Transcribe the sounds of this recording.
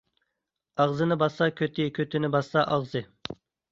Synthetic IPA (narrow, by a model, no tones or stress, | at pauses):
ɑʁzɨnɨbɑsɑkʲʰøt̪ʰɪkʲʰøt̪ʰɪnɪbɑsɑʔɑʁzɨ